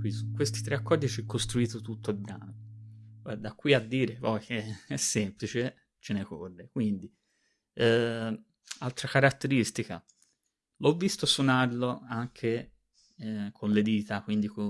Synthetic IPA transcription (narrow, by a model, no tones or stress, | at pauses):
kwiskwest̪i̥t̪ɾeakːɔrd̪it͡ʃɛkːost̪ɾuiːt̪ot̪ut̪ːoilbɾaːno | ɛd̪akːwiad̪ːiːɾepɔjk̟eɛsːɛmplit͡ʃe | t͡ʃenekorːekwind̪i | ɛ | alt̪ɾakaɾat̪ːeɾist̪ika̰ | lɔvːist̪osonarloaŋkʰe | kʰonled̪iːt̪akwind̪iko